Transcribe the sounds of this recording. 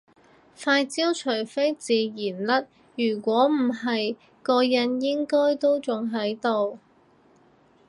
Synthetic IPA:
faː˧jt͡siː˥wt͡ʃʰɵ˨˩jfe˥jt͡siː˨jiː˨˩nlɐ˥t̚ | jyː˨˩kʷɔː˨˥m̩˨˩ɦɐ˨j | kɔː˧jɐ˧njɪ˥ŋkɔː˥jt̪o˥wt͡sʊ˨ŋɦɐ˨˥jt̪o˨w

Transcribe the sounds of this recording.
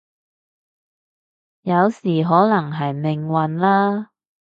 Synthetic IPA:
jɐ˨˧wsiː˨˩ɦɔː˨˥lɐ˨˩ŋɦɐ˨jmɪ˨ŋwɐ˨nlaː˥

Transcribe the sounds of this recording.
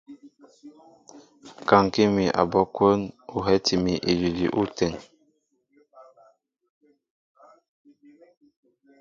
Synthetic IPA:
ka˨ŋ˨ki˦mi˨ʔa̰˨bɔ˦kwo˦nu˨ɦɛ˦ti˨mi˨ʔi˨li˨lḭ˨ʔu˦tɛ˨ŋ

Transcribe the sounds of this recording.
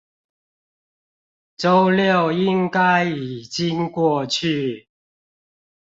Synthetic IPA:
t͡so˦wljɔ˥˧˨wi˦˥ŋka˦˥ji˨˩t͡ɕi˦˥ŋkwɔ˥˧t͡ɕʰy˥˨

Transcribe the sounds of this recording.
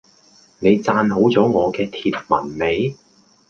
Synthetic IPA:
ne˨˧jt͡saː˧nɦo˨˥wt͡sɔː˨˥ŋɔː˨˧kɛː˧t̪ʰiː˧t̚mɐ̰˨˩nme˨˧j

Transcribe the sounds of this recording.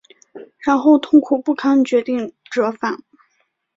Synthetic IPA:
ɻa˧˥nxo˥˧ʊt̪ʰʊ˥˧ŋkʰu˨˩pu˥˩kʰa˥nt͡ɕɥɛ˧˥t̪i˥˩ŋʈ͡ʂɤ˧˥fa˨˩˦n

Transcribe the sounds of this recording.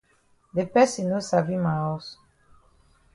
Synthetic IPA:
de˨pɛ˦si˨no˦sa˨vi˦mã˨ɔ˦s

